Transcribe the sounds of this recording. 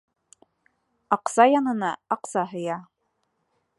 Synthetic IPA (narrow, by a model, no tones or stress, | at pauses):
ɑqsɑjɑnɤ̆nɑɑqsɑɦɤ̆jɑ